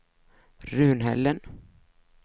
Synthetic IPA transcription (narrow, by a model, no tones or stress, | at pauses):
ɾʉ̟ːnɦɛ̰lːən